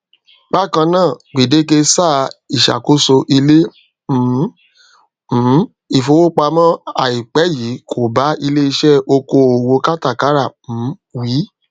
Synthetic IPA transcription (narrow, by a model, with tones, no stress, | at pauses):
ɡ͡ba˦˨kã˧nãː˦˨ɡ͡bi˨de˨˦k̬e˧saː˦˨i˨ʃa̰˨ko˨˦so˧ʔi˧le˦ | m̩˨˦ | m̩˨˦ | i˦˨fo˧wo˦k͡pa˧mã˦a˨i˨k͡pɛ˨˦ji˨˦kʰo˨ba˨˦i˧le˦i˧ʃɛ˦o˧ko˧o˨wo˧ka˦ta˦˨ka˨˦ɾa˦˨m̩̃˨˦wiː˨˦